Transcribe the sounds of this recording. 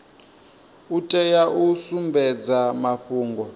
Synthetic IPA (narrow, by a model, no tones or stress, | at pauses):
utʼɛjaʔusumbɛd͡zamaɸuːŋɡɔ